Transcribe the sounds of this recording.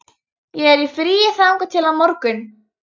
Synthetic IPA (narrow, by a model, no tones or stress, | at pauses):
jɛɣɛɾifɾiːjɪθawŋkʏt̪ʰɪlamɔɾkʏn